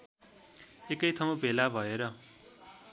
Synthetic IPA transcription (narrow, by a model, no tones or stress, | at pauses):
ekʌjt̪ʰʌw̃bʱelabʱʌeɾʌ